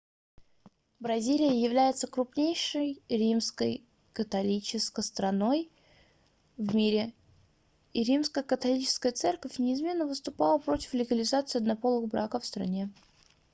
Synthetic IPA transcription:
bɾɐzʲilʲɪjəjɪvlʲæjɪt̪səkɾʊpnʲejʂəjɾʲimskə̰j | kət̪ɐlʲit͡ɕɪskəst̪ɾɐno̞j | vmʲiɾʲɪ | iɾʲimskəjəkət̪ɐlʲit͡ɕɪ̥skəjət̪sɛrkəfʲnʲɪɪzmʲe̞nːəvɨst̪ʊpalˠəpɾo̞tʲɪ̥flʲɪɡəlʲɪzat̪sɨɐd̪nɐpo̞lˠɨxbɾakəfst̪ɾɐ̰nʲe

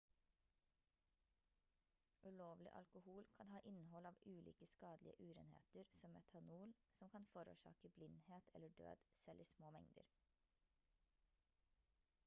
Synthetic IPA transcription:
ʔʉloːʋlɪ̰ʔɑ̰lkʊhuːlkʰɑnhɑːʔɪnəhɔlɑːʋʔʉːlḭːkəskɑːd̪lɪə̰ʔʉːɾḛːnhḛːt̪əɾsɔmɛt̪ʰɑnuːlsɔmkʰɑnfoːɾṵːʃɑ̰ːkəblɪnd̪heːt̪ʰɛ̰ləɖø̰ːd̪̥sɛlʔiːsmoːmɛŋd̪ə̰ɾ

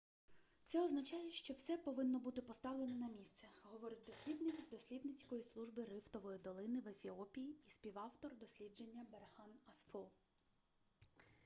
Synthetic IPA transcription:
t̪sɛɔznɐt͡ʃɑjɛʃt͡ʃɔwsɛpɔʋɪnːɔbut̪ɪpɔst̪ɑʋlˠe̞nɔnɐmʲist̪sɛɦɔʋɔɾɪt̚ʲd̪ɔsʲlʲid̪nɪkzd̪ɔsʲlʲid̪nɪt͡sʲkɔjislˠuʒbɪɾɪft̪ɔʋɔjid̪ɔlˠɪnɪʋefʲiɔpʲijiːsʲpʲiʋɑwt̪ɔrd̪ɔsʲlʲidd͡ʒe̞nʲːɐberxɑnɐsfɔ

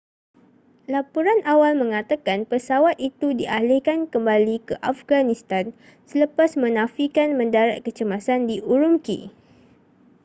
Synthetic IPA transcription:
lapuɾanʔawalmə̃ŋat̪akanpəsawat̪̚it̪udiʔalɪhkankəmbalikəʔafɡanĩst̪an | sələpasmə̃nãfikanmə̃ndaɾaʔ̪̚kət͡ʃəmasandiʔuɾumkḭ

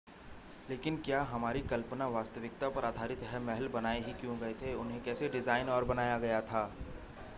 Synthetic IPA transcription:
leːkɪnkjaːɦɐmaːɾikɐlpnaʋaːst̪əʋɪk̚t̪apɐɾaːd̪ʱaːɾɪt̪ɦɛmɛɦɛlbɐnaːeɦikjõɡɐet̪ʰeʊnɦẽkɛːseɖɪzaːɪnɔːɾbɐnaːjaɡɐjat̪ʰaː

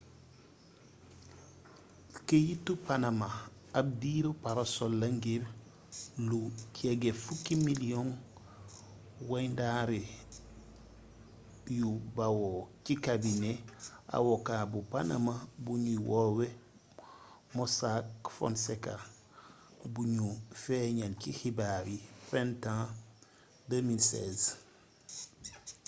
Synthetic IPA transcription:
kejitːupanama | ab̚diɾupaɾasolːaŋɡeɾ | lucʰeɡefukimiliɔn | wajndaɾi | jubawocikabinea̰wɔkabupanɐmabuɲuwɔwe | mɔsakfɔ̰nsɛka | buɲufɛɲankihibaɾifɛntã | dəmilsɛz

